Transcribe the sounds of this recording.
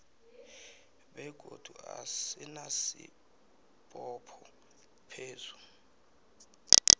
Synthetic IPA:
ɓɛɡ̥ʱo̰d̥ʱuasinasḭ | pʼɔpʰɔ | pʰeːzu̥

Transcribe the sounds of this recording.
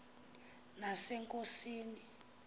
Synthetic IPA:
nasɛŋkʼosiːni

